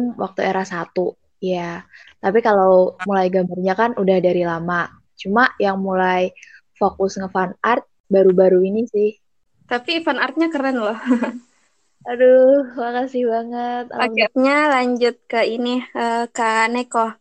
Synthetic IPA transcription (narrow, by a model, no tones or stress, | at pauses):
nwʔa̰k̚t̪ueɾahsat̪u | jat̪apikalawmulajɡambarɲakanudahdaɾilama | t͡ʃumajaŋmulaj | fokʊsŋəfanart̪̚ | baɾubaɾuinisɪh | t̪apifanart̪̚ɲakəɾənlɔh | adohmakasɪhbaŋət̪̚a̰laap̚ɲalaɲd͡ʒʊt̪̚kəiniəkanekɔ